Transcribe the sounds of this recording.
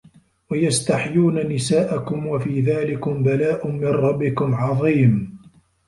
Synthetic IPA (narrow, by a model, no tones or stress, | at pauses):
wajast̪aħjuːnanɪsaːʔakʊmwafiːðaːlɪkʊmbalaːʔʊmːɪnɾˤɑbːɪkʊmʕɑðˤiːm